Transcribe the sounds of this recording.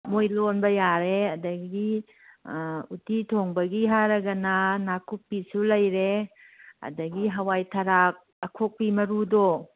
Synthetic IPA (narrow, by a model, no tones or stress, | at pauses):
mojlonbɐjaɾeɐdɐɡi | utitʰoŋbɐɡiɦaɾɐɡɐnanakupːisulɐjɾe | ɐ̰dɐɡiɦɐwajtʰɐɾak̚ | ɐkʰok̚pimɐɾudɔ